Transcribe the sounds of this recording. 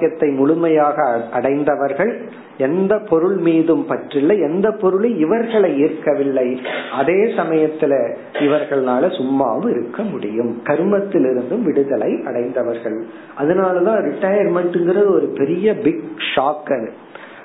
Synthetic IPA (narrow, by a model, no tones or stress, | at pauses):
jɐt̪ːɐɪmʊɭʊmɐjaːɣɐʔɐɽɐɪnd̪ɐʋɐɾɣɐɭ | ɛnd̪ɐpɔɾɯɭmiːðɯmpɐʈrɪlːɐɛnd̪ɐpːɔɾɯɭɐɪʋɐɾɣɐɭɐɪɪɾkːɐʋɪɭːɐɪʔɐðeːsɐmɐjɐt̪ːɪlɐ | ɪʋɐɾɣɐɭnaːlɐsʊmːa̰ːʋɯɪɾɯkːɐmʊɽɪjɯmkɐɾɯmɐt̪ːɪlɪɾɯnd̪ɯmʋɪɽɯðɐlɐɪʔɐɽɐɪnd̪ɐʋɐɾɣɐɭ | ʔɐðɐnaːlɐðãːɾɪʈːɐjɐɾmɐʈːɯŋɡɪrɐðɯɔɾɯpɛɾɪjɐbɪɡʂaːkːɐɾ